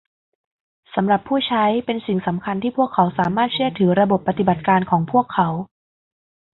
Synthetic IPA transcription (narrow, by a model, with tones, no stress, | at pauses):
sa˩˦mɾa˨˩pʰːuː˥˩t͡ɕʰa˦˥jpe˧nsi˨˩ŋsa˩˦mkʰa˧nt̪ʰiː˥˩pʰu˥˩əkʰːa˩˦wsaː˨˩˦maː˥˩t̪̚t͡ɕʰɯ˥˩ət̪ʰɯː˩˦ɾa˧bo˨˩pːa˧t̪i˨˩ba˨˩t̪̚kaː˧nkʰɔː˩˦ŋpʰu˥˩əkʰːa˩˦w